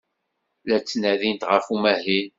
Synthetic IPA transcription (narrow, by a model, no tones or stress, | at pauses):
læt͡sːnæðint̪ʁəfumæhin